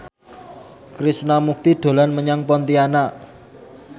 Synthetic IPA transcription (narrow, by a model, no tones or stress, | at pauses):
kɾisnamuk̚t̪iɖ̪̥o̤lanməɲaŋpɔnt̪iana